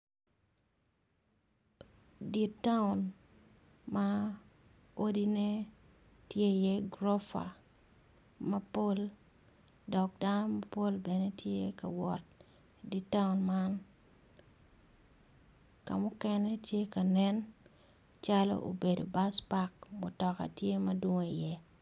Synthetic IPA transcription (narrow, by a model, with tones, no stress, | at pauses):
di˨tːa˦ʊn | ma | o˦di˦ne˦ | tje˦jɛ˦ɡɾɔ˦fa̰ | mɐ˦po˦l | dɔ˨k̚danɔ˦mɐpo˦lbɛ˨ne˦tʰje˦ka̰˨wɔ˨t̚ | di˨tːa˦ʊnma˦n | ka̰˨mʊ˦kɛnɛ˦tje˦ka˨nɛ˦n | t͡ʃalo̰ʔo̰˨be˨do̰˨baspakmʊ˨tɔ˨ka̰˨tje˦mɐdwo˦ŋo˨i˨jɛ˦